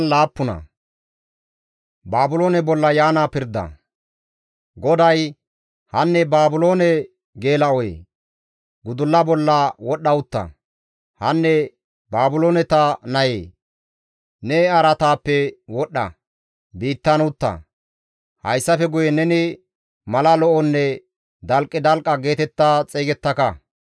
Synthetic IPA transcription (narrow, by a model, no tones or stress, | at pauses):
laːpːʊnɐ̰ | baːbʊlo̞ːnɛbɔlːɐjaːnaːpɪɾd̪ɐ̰ | ɡɔd̪ɐj | hɐnːɛbaːbʊlo̞ːnɛ | ɡeːlɐɔjḛː | ɡʊd̪ʊlːɐbɔlːɐwɔɗːɐʊt̪ːɐ̰ | hɐnːɛ | baːbʊlo̞ːnɛt̪ɐnɐjḛː | nɛɐɾɐt̪aːpːɛwɔɗːɐ̰ | biːt̪ːɐnʊt̪ːɐ̰ | hɐ̰jsːɐfɛɡʊjɛnɛnɪ | mɐlɐlɔʔɔnːɛ | d̪ɐlkʼːɪd̪ɐlkʼːɐɡe̞ːt̪ɛt̪ːat͡sʼeːɡɛt̪ːɐkɐ